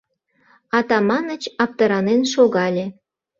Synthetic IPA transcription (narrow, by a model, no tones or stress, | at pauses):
ɑt̪ɑmɑnət͡ɕɑp̚t̪ɤɾɑnenʃoɣɑlʲe